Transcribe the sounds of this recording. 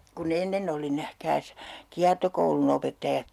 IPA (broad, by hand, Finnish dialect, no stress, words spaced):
kun enːen oli næhkæːs kiɑrtokoulun opetːɑjɑt